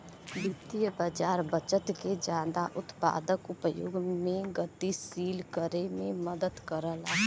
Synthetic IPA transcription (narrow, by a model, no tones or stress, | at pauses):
bɪt̪ijəbəd͡ʒaːɾbət͡ʃət̪ked͡ʒjaːd̪aʔʊt̪pa̰ːd̪əkʊpjo̰ːɡmẽɡət̪isiːlkəɾemẽməd̪əd̪kəɾəla